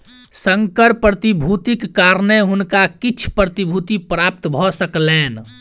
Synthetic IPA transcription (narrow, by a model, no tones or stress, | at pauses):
səŋkəɾpɾət̪ibʱut̪ikːaɾneɦʊnkakit͡ʃʰpɾət̪ibʱut̪ipɾap̚t̪bʱɔsəkleːn